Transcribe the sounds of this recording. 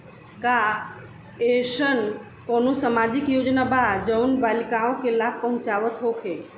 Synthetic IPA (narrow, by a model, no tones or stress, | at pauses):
ka | eʃən | koːnosəmaːd͡ʒɪkjoːd͡ʒnabad͡ʒəwnbaːlɪkaõkelaːb̚pəɦʊ̃t͡ʃaːʋət̪ɦokʰe